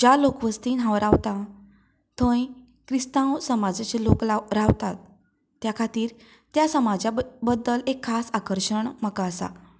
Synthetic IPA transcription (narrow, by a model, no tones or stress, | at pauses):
d͡ʑalokʋəst̪inɦãwɾaʋt̪a | t̪ʰə̃j | kɾist̪ãwsəmad͡zat͡ɕeloklaɾaʋt̪at̪̚ː | jakʰat̪iːɾ | t̪jasəmad͡ʑabəd̪ːəlekʰːasakəɾɕəɳməkaəsa̰